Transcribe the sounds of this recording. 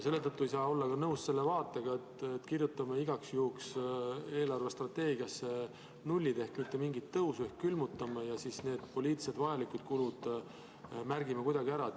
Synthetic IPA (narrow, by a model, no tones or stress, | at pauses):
se̞lːe̞t̪ɤt̪ːuejs̬ɑːo̞lːɑkɑnɤwsse̞lːe̞vɑːt̪ːˑe̞ɡ̥ɑet̪et̪ːˑkirjut̪ːˑɑmɑiɡ̥ɑksjuːkse̞ːlɑrve̞st̪rɑt̪ːe̞ːɡiɑsːe | nulʲːid̪̥e̞hkmit̪ːe̞miŋɡit̪ːɤwsue̞hkkːylmut̪ːˑɑmɑjɑsisne̞ːd̪̥po̞lʲiːt̪se̞d̪vɑjɑlikud̪̥kulud̪̥ | mærɡimɑkujd̪̥ɑɡ̥iæɾɑ